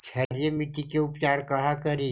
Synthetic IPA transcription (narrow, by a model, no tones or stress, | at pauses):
t͡ʃʰɐɾjemiʈ̪ikeʊpt͡ʃaːɾkɐɦakɐɾi